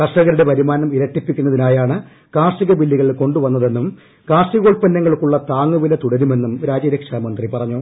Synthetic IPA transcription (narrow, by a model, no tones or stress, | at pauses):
kɐʂɐɣɐɾuɽe̞pɐɾimaːnɐmiɾɐʈːipːikʲːunːɐðinaːjaːɳɨ | kaːʂiɣɐbilːiɣɐɭko̞ɳɖuʋɐnːɐðe̞nːum | kaːʂiɣoːɭpɐnːɐŋːɐɭkːuɭːɐt̪aːŋːuʋilɐt̪uɽɐɾume̞nːumɾaːd͡ʑɐɾɐkʂamɐnd̪ripɐrɐɲːoː